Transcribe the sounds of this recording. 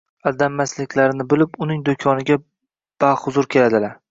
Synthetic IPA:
ad̪amːaslɪkʲlaɾɪnɪbɪlɪpʊnɪŋd̪okʰɒnɪɡʲa | b̥aχʊzʊɾkʲʰe̞lad̪ɪlaɾ

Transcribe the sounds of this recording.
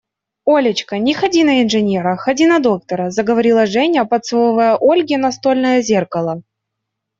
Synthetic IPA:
olʲɪt͡ɕkənʲɪxɐdʲinɐɪnʐɨnʲeɾəxɐdʲinɐd̪o̞k̚t̪əɾəzəɡəvɐɾʲilˠəʐɛnʲəpɐt̪sɨvovəjəʔolʲɡʲɪnɐst̪o̞lʲnəjəzʲerkɐlˠə

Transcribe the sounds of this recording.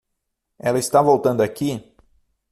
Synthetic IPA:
ɛlɐist̪avowt̪ɐ̃nd̪ʊakʲi

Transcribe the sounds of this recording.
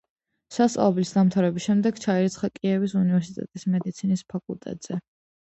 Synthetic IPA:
sast̪ʼa̰ɔblisd̪amt̪ʰaɾɛbisʃɛmd̪ɛɡ̥t͡ʃʰaiɾit̪sʰχakʼiɛvisunivɛɾsit̪ʼɛ̰t̪ʼismɛd̪it̪sʰinispʰakʼṵlˠt̪ʼɛ̰t̪ʼz̥ɛ

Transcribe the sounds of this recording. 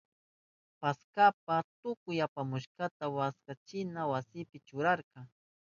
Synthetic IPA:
paskap̚at̪ʊkʊjapamʊʃkat̪awaskat͡ʃɪnawasɪpɪt͡ʃʊɾaɾqɑŋ

